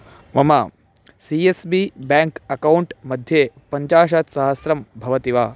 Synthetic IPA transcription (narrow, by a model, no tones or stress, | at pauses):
mɐmaː | siesbibaːŋkɐkɐwɳʈmɐd̪ʱjeːpɐɲt͡ʃaːʃ̬at̪sɐɦɐsɾɐmbʱɐʋɐt̪iʋaː